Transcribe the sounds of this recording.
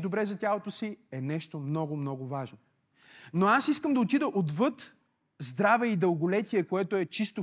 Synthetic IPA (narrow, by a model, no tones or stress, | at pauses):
d̪obɾɛzɐt̪ʲalˠot̪osiɛnɛʃt̪omnɔɡʊmnɔɡʊvaʒno | noasiskəmd̪ɐot̪id̪əʔod̪vɤt̪ | zd̪ɾavɛid̪əlˠɡolɛt̪iɛkoɛt̪oɛt͡ʃist̪o